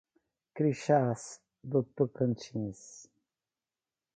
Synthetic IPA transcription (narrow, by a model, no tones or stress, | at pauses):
kɾiʃas | d̪ot̪ːokənt͡ʃĩs